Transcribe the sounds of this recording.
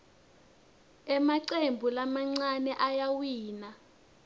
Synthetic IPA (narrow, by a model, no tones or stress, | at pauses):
ɛmaǀembʱulamaŋ͡ǀanɛʔajawiːna